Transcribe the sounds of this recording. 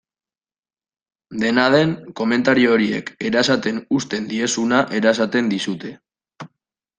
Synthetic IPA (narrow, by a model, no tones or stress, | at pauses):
d̪e̞nað̞e̞ŋko̞me̞nt̪aɾioːɾie̞̰ke̞ɾasat̪e̞nust̪e̞nd̪ie̞sunaʔe̞ɾaes̬at̪e̞nd̪isut̪e̞